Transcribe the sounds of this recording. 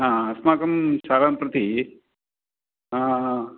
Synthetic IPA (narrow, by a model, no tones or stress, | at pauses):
ɦãːɐsmaːkɐmsaːɾaːmpɾɐt̪i | ɦãː